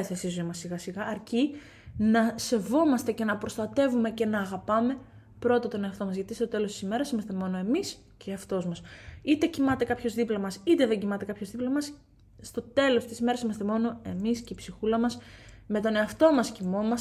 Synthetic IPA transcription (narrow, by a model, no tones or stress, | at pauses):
eθesizoimɐsiɣɐsiɣɐːɾci | nɐse̞vo̞mɐst̪e̞ce̞nɐpɾo̞st̪ɐt̪e̞vume̞ce̞nɐːɣɐpɐme̞ | pɾo̞t̪ɐt̪o̞ne̞ɐft̪o̞mɐzʝɐt̪ist̪o̞t̪e̞lo̞st̪i̥sime̞ɾɐsimɐst̪e̞mo̞no̞e̞mis | ceɐft̪o̞zmɐsit̪e̞cimɐt̪e̞kɐpço̞zðiplɐmɐsit̪e̞ðe̞ɲɟimɐt̪e̞kɐpço̞zðiplɐmɐs | st̪o̞t̪e̞lo̞st̪isime̞ɾɐsimɐst̪e̞mo̞no̞e̞misceipsixulɐmɐsme̞t̪o̞neɐft̪o̞mɐscimo̞mɐs